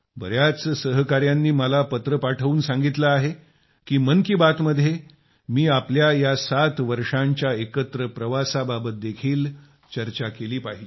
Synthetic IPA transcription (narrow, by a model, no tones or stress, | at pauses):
bə̰ɾjat͡ssəɦkaɾjanːiːməlapət̪ɾəpaʈʰəuːnsãŋɡit̪laːɦe | kiːmənkibat̪məd̪ʱːje | miːapljajasat̪ʋəɾʂãɲt͡ɕjaekət̪ɾəpɾəʋasababət̪̚d̪ekʰiːl | t͡ɕəɾt͡ɕakeliːpaɦili